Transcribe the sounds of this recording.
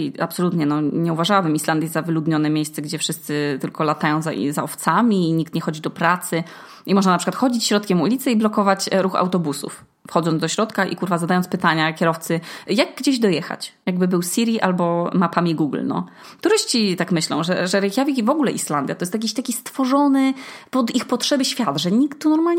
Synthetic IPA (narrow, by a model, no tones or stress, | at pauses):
iapsɔlut̪ɲɛnɔɲɛuvaʐawabɘmisland̪ʲjɛavɘlud̪ɲɔnɛmʲjejst̪sɛɡd͡ʑɛfʂɘst̪sɘt̪ɘlkɔlat̪ajɔ̃w̃za̰zaɔft̪samʲiːɲikt̪ɲɛxɔd͡ʑid̪ɔpɾat̪sɘ | imɔʐnanapʂɘkwat̪xɔd͡ʑit͡ɕɕɾɔt̪kʲɛmulʲit̪sɛiblɔkɔvat͡ɕɾuxa̰wt̪ɔbusṵf | fxɔd̪zɔnd̪ɔɕɾɔt̪kaʔḭkuɾvazad̪ajɔnspɘt̪aɲakʲɛɾɔft̪sɘjaɡɡd͡ʑeʑd̪ɔjɛxa̰t͡ɕjaɡ̚bɘbɘwsʲiɾʲiʔalbɔmapamʲiɡuɡlnɔ̰ | t̪uɾɘɕt͡ɕit̪akmɘɕlɔ̰̃w̃ʐɛʐɛɾɛxʲjavʲikivɔɡulɛʔisland̪ʲjat̪ɔjɛst̪jakʲiɕt̪akʲist̪fɔʐɔnɘpɔd̪ixpɔtʂɛbɘɕfʲjat̪ʐɛɲikt̪ːunɔɾmalɲɛ